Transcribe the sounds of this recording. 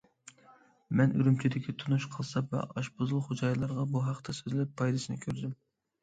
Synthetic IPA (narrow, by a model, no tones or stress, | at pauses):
mɛnyɾymt͡ʃʰid̪ɪkʲʰit̪ʰunuʃqʰəlˠsɑvɛ̰ʔɑʃbozulˠχod͡ʒɑjlˠɑɾʁɑbuɦɑqt̪ʰɛsøzɪlɛpʰːɑjd̪ɨsɨnɨ̰kʲʰøɾd̪ym